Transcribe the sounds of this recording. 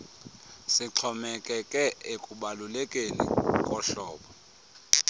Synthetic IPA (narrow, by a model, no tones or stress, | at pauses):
siǁʰɔmɛkʼɛkʼɛekʼuɓalulɛkʼenḭkʼɔɬɔːɓɔ